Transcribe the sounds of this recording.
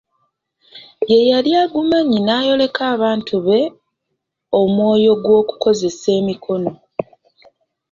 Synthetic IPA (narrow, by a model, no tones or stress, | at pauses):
je̞jaljaːɡumaɲinaːjo̞le̞kaːβaːntʰuβe̞ | o̞mwo̞ːjo̞ɡwo̞ːku̥ko̞ze̞se̞ːmikʰo̞no̞